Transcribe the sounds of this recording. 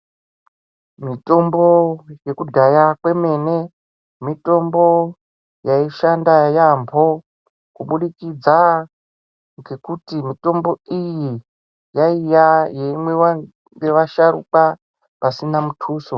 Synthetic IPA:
mito̞mbo̞je̞kudʱajakwe̞me̞ne̞ | mito̞mbo̞ | jaiʃandajambʱo̞ | kuɓuɗikid͡za | ŋɡe̞kutimito̞mbo̞iji | jaijajemwea | ɡeʋaʃaɾṵka | pasinamutʰuːso

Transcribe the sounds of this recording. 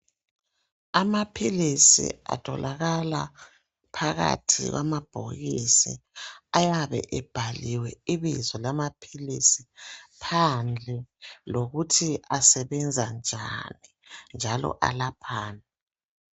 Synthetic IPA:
amapʰilisḭa̰tʰɔ̰lʔaɣala | pʰaɣa̰tʰiɣwʔamab̥ʱoɣisiajaβɛ̰ʔɛb̥ʱaliwɛiβizɔlamapʰilisipʰand͡ɮʱɛloɣutʰiasɛβɛnd͡zʱand͡ʒʱanind͡ʒʱalɔ̰ʔa̰lapʰaːna

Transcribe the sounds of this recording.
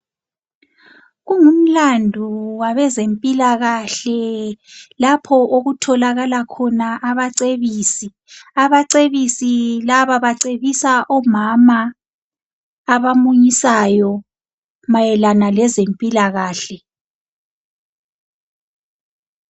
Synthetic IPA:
ɣuŋum̩landʱuwaβɛzempʼilaɣaɬɛ | lapʰɔʔoɣutʰɔlaɣalakʰɔnaʔaβaǀeβiːsi | aβaǀeβisilaβaβaǀeβisaʔɔmama | βamuɲisajɔ | majɛlanalɛzempʼilaɣaːɬɛ

